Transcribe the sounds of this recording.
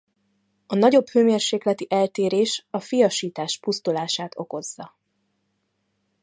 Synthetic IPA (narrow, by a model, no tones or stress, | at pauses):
ɒnɒɟo̞bhøːmeːrʃeːklɛt̪iʔɛlt̪eːɾeːʃɒfijɒʃiːt̪aːʃpust̪ulaːʃaːt̪ʰo̞ko̞zːɒ